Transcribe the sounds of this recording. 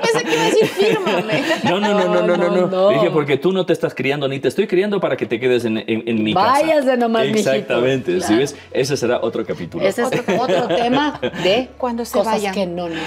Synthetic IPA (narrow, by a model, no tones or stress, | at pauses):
eseeeifiɾmonononononononoixepo̞ɾket̪uno̞t̪eːst̪askɾiand̪onit̪est̪o̞jkɾiand̪o̞paɾake̞t̪eke̞ðes̬enenenmibaajazanomazmisakt̪amẽnt̪essiβes | e̞s̬e̞se̞ɾaʔot̪ɾo̞kapit̪ulosesot̪ɾot̪emaðewand̪oskoaeno